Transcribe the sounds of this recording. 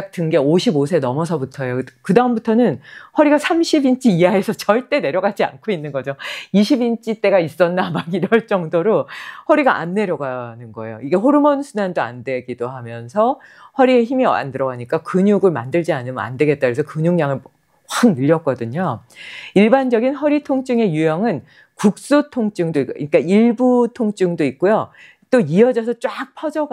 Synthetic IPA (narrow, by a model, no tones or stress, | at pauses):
k̚t͈ɯŋɡe̞oɕʰibosʰe̞nʌmʌs̬ʰʌbutʰʌjokɯdaɯmbutʰʌnɯnhwʌɾiɡasʰamɕʰibint͡ɕ͈ʰiiaesʰʌt͡ɕʌɭt͈e̞ne̞ɾjʌɡad͡ʑia̰nkʰoinːɯnɡʌd͡ʑoiɕʰibint͡ɕ͈ʰit͈e̞ɡais͈ʌnːamaɡiɾʌɭt͡ɕ͈ʌŋdoɾohʌɾiɡaʔa̰nːe̞ɾjʌɡanɯnɡʌe̞̰joiɡe̞ɦoɾɯmʌnsʰunandoa̰ndwe̞ɡidoɦamjʌnsʰʌhʌɾie̞çimia̰ndɯɾʌɡaɲik͈akɯɲuɡɯɭma̰ndɯɭd͡ʑianɯma̰ndwe̞ɡe̞t̚t͈akɾesʰʌkɯɲuŋɲaŋɯɭ | ŋnɯʎːʌk͈̚ʌdɯɲo | iɭband͡ʑʌɡinɦʌɾitʰoŋt͡ɕ͈ɯŋe̞jujʌŋɯn | kuk̚s͈utʰoŋt͡ɕ͈ɯŋdoikoiɲik͈aiɭbutʰoŋt͡ɕ͈ɯŋdoik̚k͈ojo | t͈oiʌd͡ʑʌsʰʌt͡ɕ͈wak̚pʰʌd͡ʑʌɡ